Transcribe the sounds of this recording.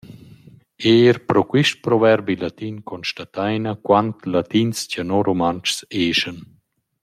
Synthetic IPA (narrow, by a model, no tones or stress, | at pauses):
eɾpɾɔkwiʃtpɾɔvɛɾbilat̪inkɔnʃtat̪ajnakwant̪lat̪inscanoɾomant͡ʃseːʃən